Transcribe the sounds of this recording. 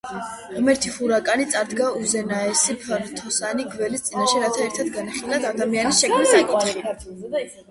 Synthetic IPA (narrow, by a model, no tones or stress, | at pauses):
ʁmɛɾt̪ʰifuɾakʼanit̪sʼaɾd̪ɡauzɛnaɛsipʰɛɾt̪ʰɔsaniɡvɛlist̪sʼinaʃiɾat̪ʰaɛɾt̪ʰad̪ɡanaχilad̪ad̪amianisʃɛkʰmisakʼit̪χit